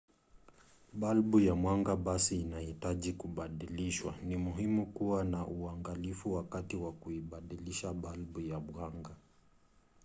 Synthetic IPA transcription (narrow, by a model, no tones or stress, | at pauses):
ɓalɓujamwaŋɡaɓasiːnahitaʄikuɓaɗiliʃwa̰nimuɦimukuwanaʔuaŋɡalifuwakatiwakuiɓaɗiliʃaɓalɓujaɓwaŋɡa